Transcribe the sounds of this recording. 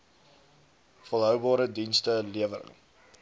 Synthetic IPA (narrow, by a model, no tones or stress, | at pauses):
fəlˠɦœwbɑːɾədinstəliəvəɾə̰ŋ